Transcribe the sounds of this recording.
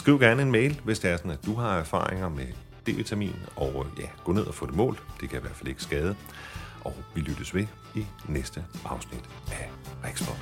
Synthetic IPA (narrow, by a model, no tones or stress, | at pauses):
sɡ̥ʁiʊɡ̥æɐnəe̝nmeɪlʋe̝sd̥eæɐsɒ̽næd̥uɦɑ̈æɐfɑ̰̈ːʁeŋɐme | d̥e̝̰ʋit͡sʰæmḭːnð̩ˠɒjæɡ̥ɔ̰̽ːne̝ð̞̰ˠɐfɔ̰̽ːd̥e̝mɔ̰̽ːld̥e̝kʰæiʋæɐd̥fæle̝ɡ̥əsɡ̥ɛːð̞ˠə | ʔɒʋilyd̥əsʋe̝ | inesd̥əʔɑ̈ʊsnid̥ | æʁeɡ̥sb̥ɒ̥